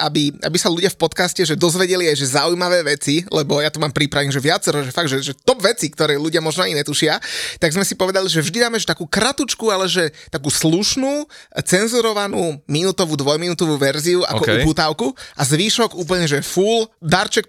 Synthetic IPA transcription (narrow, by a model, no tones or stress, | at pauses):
abiʔa̰bisaluɟɪafpɔt̪kascɛʒɛd̪ɔzʋɛɟɛliajʒɛzaujmaʋɛːʋɛt͡silɛbɔjat̪umaːmpɾipɾaʋɛnʒɛʋɪat͡sɛɾɔʒɛfaɡ̪ʒɛʒɛt̪ɔbʋɛt͡sikt̪ɔɾɛːluɟɪamɔʒnɔajnɛt̪uʃɪat̪aɡzmɛsipɔʋɛd̪aliʒɛvʒd̪id̪aːmɛʃt̪akuːkɾat̪ut͡ʃkualɛʒɛt̪akuːsluʃnuːt͡sɛnzuɾɔʋanuːminut̪ɔʋuːd̪ʋɔjminut̪ɔʋuːʋɛɾziua̰kɔkupuːt̪aʊkuʔazʋiːʃɔɡuːp̬l̩ɲɛʒɛfuːld̪aɾt͡ʃɛk̚